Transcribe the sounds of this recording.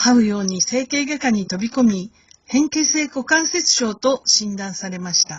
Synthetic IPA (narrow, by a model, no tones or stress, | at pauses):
haɯ̟jo̞ːɲ̟ise̞ːke̞ːɡakaɲ̟it̪o̞bʲiko̞mʲi | hẽ̞ŋke̞se̞ːko̞kãɰ̃se̞t͡sɨ̥ɕo̞ːt̪o̞ɕĩnd̪ãɰ̃saɾe̞maɕi̥t̪a